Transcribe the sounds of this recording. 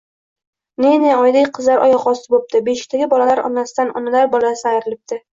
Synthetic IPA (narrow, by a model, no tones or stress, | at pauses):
neneɒjd̪ekʲqʰɨzlaɾʔɒ̰jɒqɒsɪbop̚t̪ɪbeʃɪ̥t̪ʰaɡʲɪbɒlalaɾɒ̰nasɪd̪anɒ̰nalaɾbɒlasajɾɪlɪp̚t̪ʰɪ